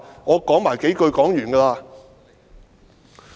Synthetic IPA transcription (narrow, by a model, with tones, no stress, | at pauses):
ŋɔː˨˧kɔː˨˥ŋmaː˨˩jke˨˥jkɵ˧ɥkɔː˨˥ŋjyː˨˩nkaː˧laː˧